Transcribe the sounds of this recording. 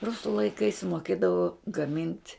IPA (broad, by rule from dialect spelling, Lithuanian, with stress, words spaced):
ˈrʊsʊ lˠɐɪˈkɐɪs moːˈkʲeːdɐʋoː ɡɐˈmʲɪnʲtʲ